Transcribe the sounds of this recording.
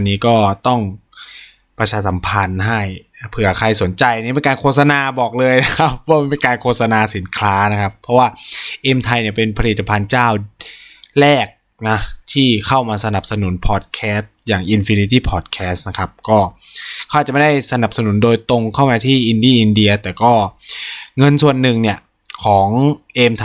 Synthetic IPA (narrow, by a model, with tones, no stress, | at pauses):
a˧nːiː˦˥kɔː˥˩t̪ɔ˥˩ŋ | pɾa˧t͡ɕʰaː˧sa˩˦mpʰa˧nɦa˥˩jpʰɯ˧˩ɐkʰa˧jso˩˦nt͡ɕa˧jʔa˧niː˦˥pe˧nkaː˧nkʰoː˥˩t̪̚sa˧naː˧bɔː˨˩k̚lɤː˧jna˦˥kʰa˦˥p̚ːɔː˦˥˩ma˧pe˧nkaː˧nkʰoː˥˩t̪̚sa˧naː˧si˩˦nkʰlaː˦˥na˦˥kʰa˦˥pʰːɔ˦˥waː˥˩ʔe˧mt̪ʰa˧jni˧˩ɐpe˧npʰa˧li˨˩t̪ːa˧pʰa˧nt͡ɕaː˥˩w | lɛː˥˩k̚ | nɔ˦˥t̪ʰiː˥˩kʰa˥˩wmaː˧sa˧na˨˩p̚sa˧nu˨˩˦npʰɔː˨˩t̪̚kʰɛː˦˥s̚jaː˨˩ŋʔi˧nfi˧ni˧t̪iː˥˩pʰɔː˨˩t̪̚kʰɛː˦˥st̪̚na˦˥kʰa˦˥p̚kɔː˥˩kʰɔ˦˩a˨˩t̚t͡ɕm˥˩da˥˩jsa˧na˨˩p̚sa˧nu˩˦ndoː˧jt̪o˧ŋkʰa˥˩wmaː˧t̪ʰiː˥˩ʔi˧ndiː˥˩ʔi˧ndi˧ɐt̪ɛː˨˩kɔː˥˩ | ŋɤ˧nsu˨˩ənːɯ˨˩ŋni˥˩ɐ | kʰɔː˩˦ŋʔeː˧mt̪ʰ